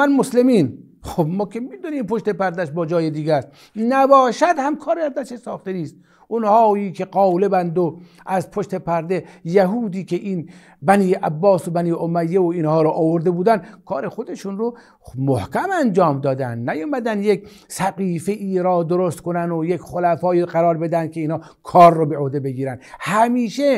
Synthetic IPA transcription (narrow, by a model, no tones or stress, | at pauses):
mænmoslemiːn | xobmɒːkʲʰemid̪uniːmpoʃt̪e̞pæɾd̪æʃbɒːd͡ʒɒːjed̪iːɡæst̪ | næbɒːʃæd̪hæmkʰɒːɾæɾd̪æʃesɒːxt̪eniːst̪̚ | unhɒːjiːkʰe̞qɒːlebænd̪o | ʔæzpʰoʃt̪e̞pʰæɾd̪ejæɦuːd̪iːkʰeʔiːn | bæniːæbːɒːsobæniːʔomæjːeoiːnhɒːɾɔʔːvoɾd̪ebuːd̪ænkʰɒːɾe̞xod̪eʃunɾo | mohkʲæmænd͡ʒɒːmd̪ɒːd̪ænd̪næjoːmæd̪ænd̪jekʲ | sæqiːfeʔiːɾɒːd̪oɾost̪konænojekʲχolæfɒːiːqæɾɒːɾbe̞d̪ænd̪̚kʰʲeiːnhɑː | kʰɒːɾːobeʔohd̪ebe̞ɡiːɾænd̪hæmiːʃe